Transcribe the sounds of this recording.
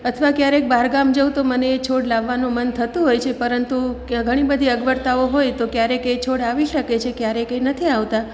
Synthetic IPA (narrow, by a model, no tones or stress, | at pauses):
ət̪ʰʋakjaɾek̚baɾɡamd͡ʒowt̪oməneːt͡ʃʰoɽlaʋːanũmənt̪ʰət̪ũɦojt͡ʃʰepəɾənt̪uɡʱəɽ̃ibəd̪ʱiəɡʋəɾt̪aoɦojt̪okjaɾeket͡ʃʰoɽaʋiʃəket͡ʃʰekjaɾekenət̪ʰiaʋt̪a